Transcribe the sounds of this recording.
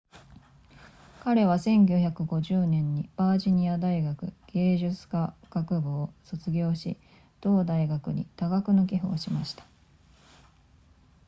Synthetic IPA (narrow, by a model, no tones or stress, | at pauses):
kaɾe̞βasẽ̞ŋɡʲoçakɯ̟ɡo̞ʑɨːnẽ̞ɲ̟ːib̥aːʑiɲ̟iad̪aiɡakɯ̟̰ɡ̥e̞ːʑɨt͡sɨ̥kaɡ̥akɯ̟boːso̞t͡sɨɡʲo̞ːɕḭ | d̪̥o̞ːd̪aiɡakɯ̟ɲ̟ḭt̪aɡakɯ̟no̞kʲiɦɯoːɕimaɕi̥t̪ḁ